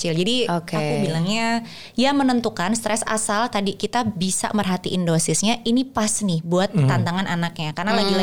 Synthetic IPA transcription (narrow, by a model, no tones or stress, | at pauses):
kət͡ʃɪld͡ʒadiokeakubilaŋɲa | jamənənt̪ukanst̪ɾɛsa̰salt̪adikit̪abisa̰mərɦat̪iʔːndosɪsɲaʔinipasnɪhbuat̪ːant̪aŋanʔanak̚ɲakarnalaɡila